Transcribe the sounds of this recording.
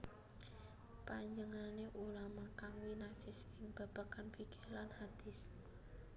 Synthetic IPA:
paɲd͡ʒəŋaneʔulamakaŋwinasɪsɪŋb̥a̤b̥a̤kanfikʰelanhad̪̥ɪs

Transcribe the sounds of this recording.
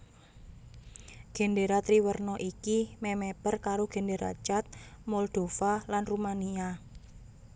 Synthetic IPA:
ɡ̥e̤nɖeɾat̪ɾiwərnɔʔikimemepərkaɾoɡ̥e̤ndeɾa̰t͡ʃat̪̚mɔld̪̥o̤falanrumania

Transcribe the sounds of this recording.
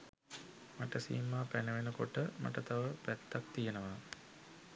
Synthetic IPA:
maʈəsḭːmaːpænəʋenəkoʈəma̰ʈət̪aʋəpæt̪ːak̚t̪ijenəʋa

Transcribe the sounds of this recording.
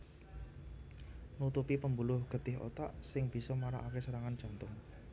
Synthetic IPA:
nut̪upipəmbulʊhɡ̥ə̤t̪ɪɦʔo̰t̪a̰ʔsɪŋb̥i̤sɔmaɾaʔakɛsəɾaŋand̥ʒ̥ä̤nt̪ʊŋ

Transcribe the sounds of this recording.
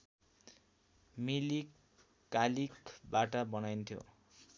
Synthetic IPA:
milik | kːalikbaʈʌbʌnajnt̪ʰjo̰

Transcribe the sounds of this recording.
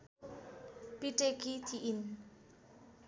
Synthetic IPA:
pʼitʼekʼitʰiʔːn

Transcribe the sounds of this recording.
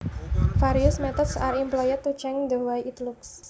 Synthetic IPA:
faɾiʊsmɛt̪ɔt̪saɾimplɔjət̪ːut͡ʃɛŋd̪əwajit̪luks

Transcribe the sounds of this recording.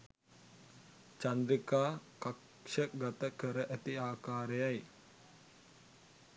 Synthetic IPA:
t͡ʃɐnd̪ɾikaːkɐk | ʂɐɡɐt̪ɐkəɾəʔæt̪iaːkaːɾejɐj

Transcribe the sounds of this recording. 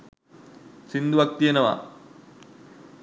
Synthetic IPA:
sind̪uʋɐk̚t̪ijɐnɐʋa̰

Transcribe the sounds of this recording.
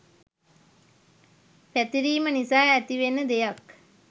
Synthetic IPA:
pæt̪iɾiːmənisaːæt̪iʋenːəd̪ejɐk

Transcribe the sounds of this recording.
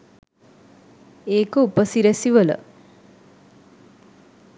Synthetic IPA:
eːkəupəsiɾesiʋələ̰

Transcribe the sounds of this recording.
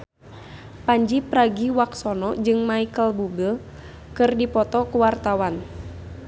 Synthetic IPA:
paɲd͡ʒipɾaɡiwaksɔnɔd͡ʒɨŋmaikəlbuɡə | kɨrdipɔt̪ɔkuwart̪awan

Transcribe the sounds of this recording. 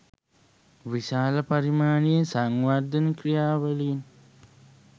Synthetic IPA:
ʋiʃaːləpaɾimaːnijesaŋʋaɾd̪ənikɾijaːʋəliːn

